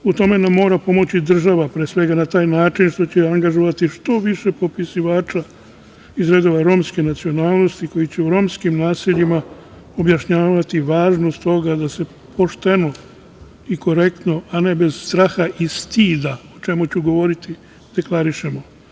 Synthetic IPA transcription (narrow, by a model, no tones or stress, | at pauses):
ut̪o̞me̞namːo̞ːɾapo̞mo̞t͡ɕid̪r̩ʒaʋapɾesʋe̞ɡanat̪aːjnaːt͡ʃinʃt̪o̞t͡ɕeaŋɡaʒoʋat̪iʃt̪o̞ʋiʃe̞po̞pisiʋaːt͡ʃa | izɾe̞d̪o̞ʋaɾo̞ːmske̞nat̪sio̞naːlˠno̞st̪iko̞jit͡ɕeuɾo̞ːmskimnaːsiʎima | o̞bjaʃɲaːʋat̪iʋaːʒnost̪o̞ɡad̪ase̞ | pʰo̞ʃt̪e̞no̞ | iko̞ɾe̞kt̪no̞ane̞be̞z̥st̪ɾaxaʔist̪iːd̪aot͡ʃe̞mut͡ɕuɡo̞ʋo̞ɾit̪i | d̪̥e̞klaɾiʃe̞mo